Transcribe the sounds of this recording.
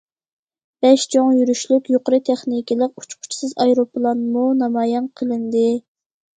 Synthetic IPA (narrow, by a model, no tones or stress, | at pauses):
b̥ɛʃt͡ʃʰoŋjyɾyʃlykʲjoqəɾɨt̪ʰɛχnikʲʰilˠəq̚u̥t͡ʃʰqʰʊ̥t͡ʃʰi̥sɨzɑjɾopʰlˠɑnmunɑmɑːjɑnqʰəlˠɨnd̪ɪ